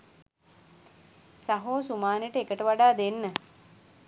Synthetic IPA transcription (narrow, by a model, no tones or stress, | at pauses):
saɦoːsumaːneʈəekəʈəʋaɖaːd̪enːə